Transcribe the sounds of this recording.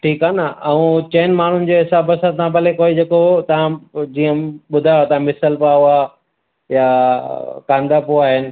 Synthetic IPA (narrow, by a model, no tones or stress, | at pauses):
ʈʰiːkaːnəɐũt͡ɕeːnmaːɳ̤ʊnɪ̆d͡ʑoɦɪsaːbɐsãt̪ãbɐlekoːid͡ʑeːkot̪ɐʋãd͡ʑiːə̃ɓʊd̪ʱaːjot̪ɐʋ̤ãmɪsəlpaːua | ja | kãːnd̪apoaːɦɪnɪ̆